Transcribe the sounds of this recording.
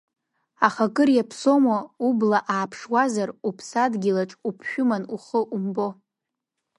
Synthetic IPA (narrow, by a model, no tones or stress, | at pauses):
aχakʼɨrjapʰso̞maublaʔaːpʰʂwazarupʰsadɡʲilaʈ͡ʂʼupʰʃᶣʊmanuχəʔumbo